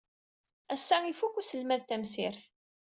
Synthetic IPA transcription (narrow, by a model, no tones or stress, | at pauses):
æsːæifukːusəlmæðt̪æmsɪɾθ